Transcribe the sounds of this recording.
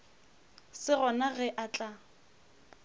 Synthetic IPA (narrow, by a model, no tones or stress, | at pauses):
sɪɣɔnaɣɛʔat͡ɬʼa